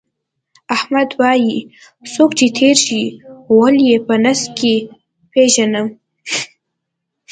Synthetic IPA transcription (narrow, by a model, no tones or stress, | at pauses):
ahmad̪wɑji | sokt͡ʃet̪ʰeɾʃiwəljepənas̚ke | peʒanəm